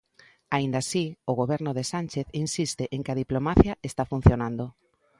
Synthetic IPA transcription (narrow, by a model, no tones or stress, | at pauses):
aind̪asioɣoβɛɾnʊðesanʲt͡ʃeθinsist̪ɪʔeŋkɪaðiplomaθjaest̪afun̟θjonand̪o